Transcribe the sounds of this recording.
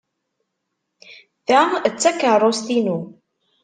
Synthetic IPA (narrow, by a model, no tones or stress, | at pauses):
θæt͡sːækərˤːost̪inu